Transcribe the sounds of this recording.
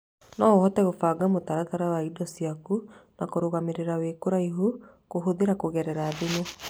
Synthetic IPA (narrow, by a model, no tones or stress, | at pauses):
nɔoɦɔtɛɣofaːɡamotaɾataɾawaidɔsiakunakoɾoɣameɾeɾawekoɾaiɦo | koɦoðeɾakoɣɛɾɛɾaːðeɲe